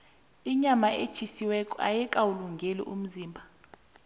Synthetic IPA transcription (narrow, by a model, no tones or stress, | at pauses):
iɲamaʔe̥t͡ʃʰisiwɛkʼɔa̰jɛkʼawuluŋɡʱelḭʔum̩ziːmbʱa